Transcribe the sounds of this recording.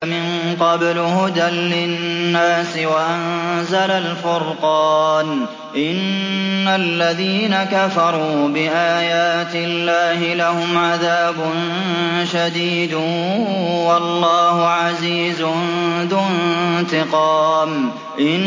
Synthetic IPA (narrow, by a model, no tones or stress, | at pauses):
mɪnqɑblhʊd̪anlɪnːaːsɪwaʔanzalalfʊɾqɑːn | ʔɪnːalːaðiːnakafɑɾˤuːbɪʔaːjaːt̪ɪlːaːhɪlahʊmʕaðaːbʊn | ʃad̪iːd̪ | wɑlːɑːhʊʕaziːzʊðʊnt̪ɪqɑːm | ʔɪn